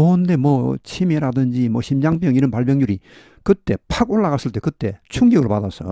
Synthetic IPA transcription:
onde̞mwʌt͡ɕʰimiɾadɯnd͡ʑimwʌɕʰimd͡ʑaŋpjʌŋiɾʌnpaɭbjʌŋɲuɾi | kɯt̪͈e̞pʰaɡoɭːaɣas͈ɯɭt͈e̞kɯt͈e̞t͡ɕʰuŋɡiɡɯɭpad̪as͈ʰʌ̰

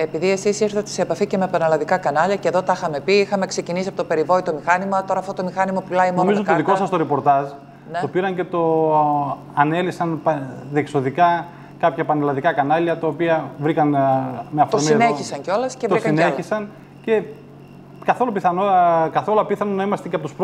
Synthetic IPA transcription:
e̞piðie̞sisiɾθɐt̪eseːpɐfice̞mepɐnɐlɐðikɐkɐnɐʎɐceðo̞t̪ɐxɐme̞piixɐme̞kse̞cinisiɐpot̪ope̞ɾivo̞it̪o̞mixɐnimɐt̪o̞ɾɐft̪ot̪omixɐnimɐpulɐimonomzooðikosɐst̪oɾepo̞ɾt̪ɐʒ | nt̪o̞piɾɐnce̞t̪o̞ | ɐne̞lisɐnpðekso̞ðikɐ | kɐpçɐpɐnɐlɐðikɐkɐnɐʎɐt̪ɐopiɐvɾikɐnmeɐfooɾsmineçisɐŋceo̞lɐsevt̪oiskɐneisɐn | ce̞ | kɐθo̞lopiθɐnokɐθo̞lɐpiθɐnonɐimɐst̪eceɐpot̪u̥sp

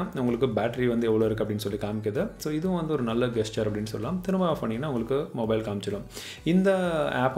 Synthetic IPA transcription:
aːʊŋɡɐɭɯkːɯbaːʈɐɾiʋɐnd̪ɯɛʋːɐɭoːɪɾɯk̬ːɐpːɐɽɪnːɯsɔlːikaːmɪkːɾɐðɯsoːɪðɯʊ̃ʋɐnd̪ɯɔɾɯnɐlːɐɡɛst͡ʃaːɾɐpːɐɽɪnːɯsɔ̰lːɐlaːmt̪ɪɾɯmbaːpɐɳɪŋɡɐnːaːʋʊŋɡɐɭɯkːɯmoːbɐɪlkaːmɪt͡ʃːɐlɐ̃m | ɪnd̪ɐa̰ːp

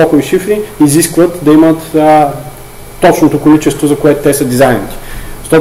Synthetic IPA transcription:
okoiʃifɾiiziskvət̪d̪ɐimət̪ | ɔt͡ʃnot̪okolit͡ʃɛst̪vozɐkoɛt̪ʊt̪ɛsəd̪izajnit̪i̥zʃt̪ɔt̪

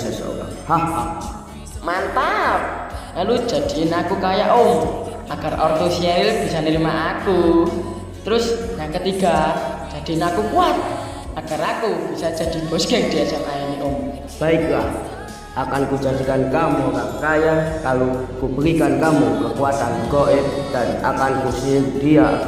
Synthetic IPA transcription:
sɛso̰ka̰ | hahah | mant̪ap̚kalu̥d͡ʒ̥a̤d̥inakukajaʔom | aɡ̥a̤rʔɔrt̪usiɛɾɪlb̥isanəɾimaʔaku | t̪əɾʊsjaŋkət̪iɡ̥ḁd͡ʒ̥a̤d̪̥i̤nakukuat̪̚ | aɡ̥arakub̥isḁd͡ʒ̥a̤d̥i̤b̥ɔsɡ̥ɛŋd̥iasaʔʔajaniʔom | b̥aiklah | akanku̥d͡ʒa̤dikankamukakajakalukubəɾikankamukəkuat̪anɡɔʔɪd̪̥adiʔakankusidia

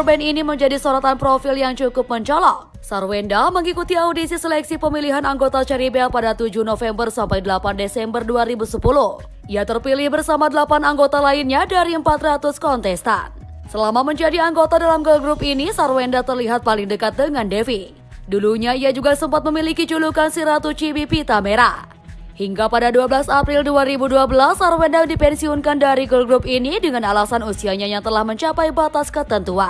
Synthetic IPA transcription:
rbɛniniməɲd͡ʒadisoɾat̪anpɾofiljaŋt͡ʃukʊp̚məɲt͡ʃɔlaʔ | sarwɛndaməŋikut̪iaudisisəlɛksipəmiliɦanaŋɡot̪at͡ʃɛɾibɛlpadat̪ud͡ʒunofɛmbərsampajdəlapandesɛmbərduaɾibusəpulʊh | ʔiat̪ərpilɪhbərsamadəlapanaŋɡot̪alainɲadaɾiəmpat̪rat̪ʊskɔnt̪ɛst̪a̰n | səlamaməɲd͡ʒadiaŋɡot̪adalamɡəlɡɾupinisarwɛndat̪ərliɦat̪̚palɪŋdəkat̪̚dəŋandefi | duluɲaiad͡ʒuɡasəmpat̪̚məmilikid͡ʒulukansiɾat̪ut͡ʃiwipit̪ameɾa̰ | hiŋɡapadaduabəlasapɾilduaɾibuduabəlasːarwɛndadipɛnsiɔnkandaɾiɡəlɡɾup̚inidəŋanalasanusiaɲajaŋt̪əlahməɲt͡ʃapajbat̪askət̪ənt̪uan

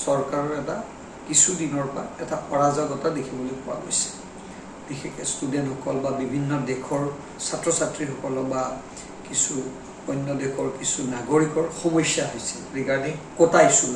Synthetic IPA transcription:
sɔɹkaɹɔɹɛta | kisudinɔɹpʊaɛtaʔɔɹazaɡɔtadekʰibɔlojpʊwa̰ɡojsɛ̥ | b̥ixekɛstudɛnthɔkɔlbabibʱinːɔdɛkʰɔɹ | satɹɔsatɹixɔkɔlɔba | kisu | ɔjnːɔdɛkʰɔɹkisunaɡoɹikɔɹxɔmɔjsjaɦojsɛɹikaɹdɛkotajsu

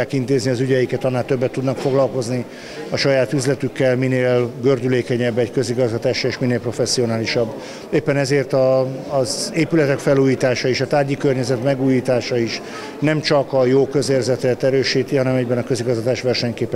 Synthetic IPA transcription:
aːkint̪eːzniɒzyɟɛjikɛt̪ɒnːaːlt̪øbːɛt̪ːud̪nɒkfoɡlɒlko̞zni | ɒʃɒjaːt̪yzlɛt̪ykːɛlmineːlɡørd̪yleːkɛɲɛbːɛɟkø̞ziɡɒzɡɒt̪aːʃeʃmineːlpro̞fɛsːio̞naːliʃɒbː | eːpːɛnɛzeːrt̪ɒːzeːpylɛt̪ɛkfɛluːjiːt̪aːʃɒiʃɒt̪aːɟikørɲɛzɛt̪mɛɡuːjiːt̪aːʃɒiʃ | nɛmt͡ʃɒkɒjoːkø̞zeːrzɛt̪ɛt̪ɛɾøːʃiːt̪iɦɒnɛmɛɟbɛnɒkø̞ziɡɒzɡɒt̪aːʃʋɛrʃɛɲkeːpɛ

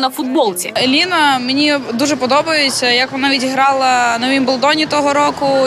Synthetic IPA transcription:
nɐfʊd̪̚bɔlˠt͡sʲḭelʲinɐmenʲid̪uʒɛpɔd̪ɔbɐjʊt͡sʲɐjɐkʋɔnɑʋʲidʲiɦɾɑlˠɐnɔʋʲimbɔlˠd̪ɔnʲit̪ɔɦɔɾɔkʊ

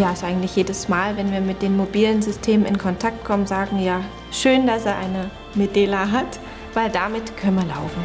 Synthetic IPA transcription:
jaːɪstʔaɪɡŋ̩tlɪçjeːdəsmaːlvɛnviːɐmɪt̚d̥eːnmobiːlənzʏstʰeːmənɪnkʰɔntʰaktkʰɔmənzaːɡŋ̩jaː | ʃøːndaseːɐʔaɪnə | medeːlaɦat | v̥aɪldamɪtkʰœnənviːɐlaʊfn̩

